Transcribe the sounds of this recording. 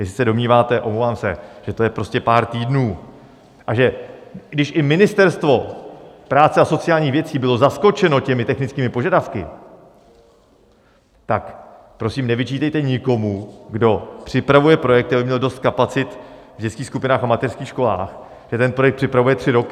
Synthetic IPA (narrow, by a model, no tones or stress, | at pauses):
jɛsɪ̥sɛdo̞mɲiːvaːt̪ɛʔomlovaːmsɛ̰ʒ̥ɛt̪o̞jɛpɾo̞scɛpaːɾt̪iːdnuː | ʔaʒɛɡdɪʃʔɪmɪnɪst̪ɛɾst̪vo̞pɾaːt͡sɛaso̞t͡sɪjaːlɲiːxvjɛt͡siːbɪlo̞zasko̞t͡ʃɛno̞cɛmɪt̪ɛxnɪt͡skiːmɪpo̞ʒadafkɪ̰ | t̪ak | pɾo̞siːmnɛvɪt͡ʃiːt̪ɛjt̪ɛɲɪko̞muɡdo̞pr̥ɪpɾavujɛpɾo̞jɛkt̪abɪmɲɛldo̞st̪̚kapat͡sɪt̪ | vɟɛt͡skiːxskupɪnaːxamat̪ɛrskiːxʃko̞la̰ːx | ʒ̥ɛt̪ɛnpɾo̞jɛkt̪pr̥ɪpɾavujɛt̪r̥ɪɾo̞kɪ